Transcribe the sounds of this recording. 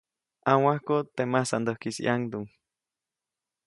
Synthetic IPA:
aŋwahkot̪emasand̪ohkisḭʔaŋd̪uŋ

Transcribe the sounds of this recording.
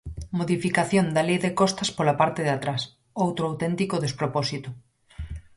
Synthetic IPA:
moðifikaθjond̪alejðekɔst̪ɐspolapaɾt̪eðat̪ɾas | owt̪ɾoawt̪ɛnt̪ikoðespɾopɔsit̪ʊ

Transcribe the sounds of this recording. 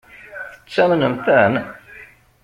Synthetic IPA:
θə̥t͡sːæmnəmθæn

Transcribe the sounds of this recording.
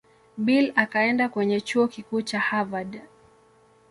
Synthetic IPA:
ɓilakaɛndakwɛɲɛt͡ʃuɔkikuːt͡ʃahavad

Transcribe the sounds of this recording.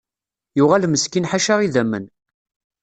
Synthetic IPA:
jʊʁalməskinħaʃaʁiðæmːə̰n

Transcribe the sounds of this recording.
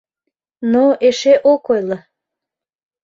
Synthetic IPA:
noeʃeʔokojlɑ

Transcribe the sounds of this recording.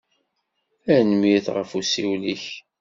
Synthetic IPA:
ænmjiθʁə̰fusiwliç

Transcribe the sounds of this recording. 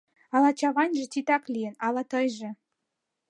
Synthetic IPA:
ɑlɑt͡ɕɑβɑnʲʒĕt̪ʲit̪ɑklʲijənɑlɑt̪ɤjʒĕ

